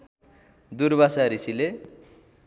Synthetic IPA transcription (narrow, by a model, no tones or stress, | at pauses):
d̪uɾbʱasaɾisile